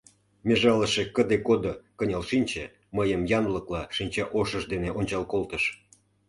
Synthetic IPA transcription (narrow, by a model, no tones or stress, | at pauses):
mʲeʒɑləʃekəd̪ekod̪okənʲɑlʃinʲt͡ɕe | məjəmjɑnləklɑʃinʲt͡ɕɑʔoʃəʒd̪eneʔonʲt͡ɕɑlkolt̪əʃ